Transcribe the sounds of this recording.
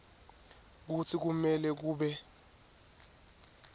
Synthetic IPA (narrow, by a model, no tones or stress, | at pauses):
k̬ut͡sʰik̬umɛlɛk̬uːɓɛ